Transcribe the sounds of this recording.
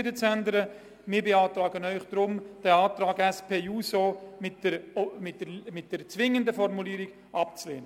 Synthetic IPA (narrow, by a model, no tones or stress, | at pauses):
dət͡sændəɾə | mɪːɾbeɑːtɾaːɡənœʏχd̥ɾʊmd̥ɛɑːtɾaːɡɛspʰeːuːsoːmɪtdəɾmɪt̚d̥əmɪt̚d̥ɛɾt͡sʋɪŋəndəfɔɾmuliːɾiɡ̥ | ʔɑp̚t͡slḛːnə